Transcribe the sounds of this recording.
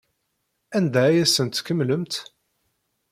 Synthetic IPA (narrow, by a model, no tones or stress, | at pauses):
ænd̪æjæsənt̪kːəmːləmt̪